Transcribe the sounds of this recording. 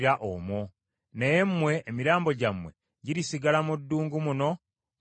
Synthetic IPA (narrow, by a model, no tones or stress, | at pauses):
ɾaʔo̰mo | neje̞mːwe̞ʔːmiɾaːmbo̞ɟamwe̞̰ | ɟiɾisiɡalamudːuːŋɡumuno̞